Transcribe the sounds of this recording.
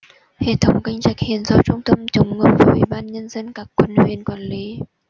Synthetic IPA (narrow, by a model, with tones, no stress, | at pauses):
he˧˨t̪ʰə˨˦wŋ͡mka˧jŋ̟t͡ɕa˨˩jk̚hi˧˨ənzɔ˧˦t͡ɕʊ˧ŋ͡mt̪ə˧mt͡ɕə˨˦wŋ͡mŋə˨˩p̚vəː˨˩ʔḭ˧˦ɓaː˧nɲə˧nzə˧nkaː˧˩kːwə˧˨nhwḭ˨˧˩ənkwaː˧˩nli˨˦